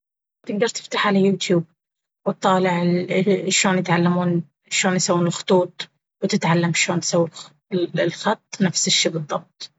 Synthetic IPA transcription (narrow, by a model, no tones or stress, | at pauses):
tt̪ɪɡ̚d̪ɑɾˤt̪ɪ̥ft̪aħʕalajːuːt̪juːb̚ | wɪt̪ˤːɑːlɪʕ | ʃoːnjɪt̪ʕalːamuːn | ʃoːnjsawːuːnɪlxʊ̥t̪ˤuːt̪̚ˤ | wt̪ɪt̪ʕalːamʃoːnsawː | lxɑt̪ˤːnafsɪʃːiːbɨðˤːɑb̚t̪̚ˤ